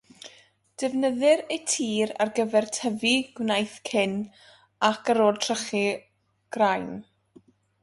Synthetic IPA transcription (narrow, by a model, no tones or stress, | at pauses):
d̥ɛvnəðɨɾejtʰiːɾa̰rɡəvɛrtʰəviɡ̥wnajθkʰɪn | akʰaɾoːrtʰrəχi | ɡ̥rajn